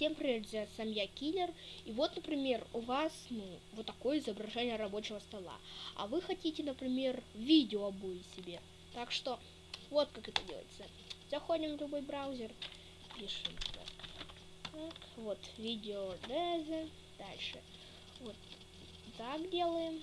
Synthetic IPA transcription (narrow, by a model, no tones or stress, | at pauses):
sʲeməpɾʲɪmʲerzʲasɐmjakʲilʲɪrivo̞t̪nəpɾʲɪmʲe̞rʊvasnuvo̞t̪ːɐko̞jəɪzəbɾɐʐɛnʲɪjəɾɐbo̞t͡ɕɪvəst̪ɐlˠa̰ɐ̰vɨxɐtʲitʲɪnəpɾʲɪmʲe̞rvʲidʲɪoɐbojɪsʲɪbʲe̞ | t̪akʂt̪o̞ | vo̞t̪kakɛt̪ədʲḛl̰ˠjɪ̰t̪sə | zɐxo̞dʲɪmvlʲʊbo̞jbɾawzʲɪr | pʲiʂɨmt̪a̰k | t̪akvot̪vʲidʲɪod̪ɛzʲɨ | d̪alʲʂɨ̰ | vo̞t̪ | t̪akdʲelˠəjɪm